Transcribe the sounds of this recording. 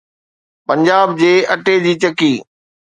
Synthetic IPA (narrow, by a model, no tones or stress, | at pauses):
pɐ̃ɲd͡ʑaːb̚d͡ʑeːɐʈed͡ʑiːt͡ɕɐkiː